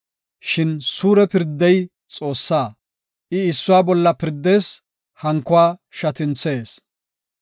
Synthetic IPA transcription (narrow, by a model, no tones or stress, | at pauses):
ʃɪnsuːɾɛpɪɾd̪ːɛj | t͡sʼo̞ːsːaː | ʔɪɪsːʊwaːbɔlːɐpɪɾd̪ːe̞ːs | hɐŋkːʊwaːʃɐt̪ɪnt͡se̞ːs